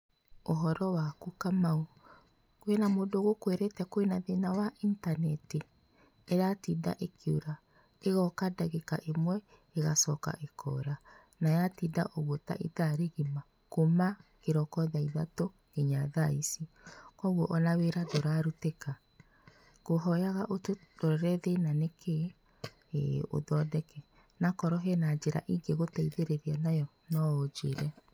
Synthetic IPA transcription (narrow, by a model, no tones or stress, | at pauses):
oɦɔɾɔwakukamao | kwenamoːdoɣokweɾetɛkoenaðenawaʔintanɛti | eɾatida̰ʔekʰjoɾa | eɣɔkadaɣekaʔemwɛ | eɣasɔka̰ʔekʰɔ̰ɾa | najatida̰ʔoɣota̰ʔiðaɾeɣima | komakeɾɔkɔðaiðato | ɡ̥eɲaðaisi | kɔɣwɔʔɔnaweɾadoɾaɾuteka | ɣ̥oɦɔjaɣaʔotodɔɾɾɛðenanekʰe | o̰ðɔdɛkɛ | nakɔɾɔɦɛnad͡ʒeɾa̰ʔiŋɡeɣotɛiðeɾeɾianajɔ | nɔod͡ʒeɾɛ